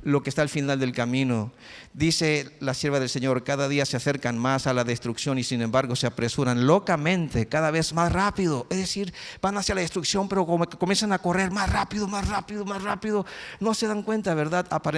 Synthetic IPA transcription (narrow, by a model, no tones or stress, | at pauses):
lo̞kest̪aːlfinald̪e̞lkamĩno | ðise̞lasje̞ɾβaðe̞lse̞ɲo̞ɾkaðaðiasease̞ɾkanmasalaðe̞st̪ɾuksjo̞nisinẽ̞mbaɾɣo̞seapɾe̞suɾanlo̞kamẽ̞nt̪e̞kaðaβe̞zmasrapiðoʔezðesiɾb̥anasjalaðest̪ɾuksjo̞mpe̞ɾo̞komokekomje̞ns̬anako̞re̞ɾmasrapiðomasrapiðomasrapiðo̞no̞se̞ðaŋkwe̞nt̪aβe̞ɾðaðapaɾ